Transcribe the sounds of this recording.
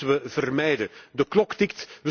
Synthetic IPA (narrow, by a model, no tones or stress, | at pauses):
ʋəvərmɛjdədəklɔktɪktʋə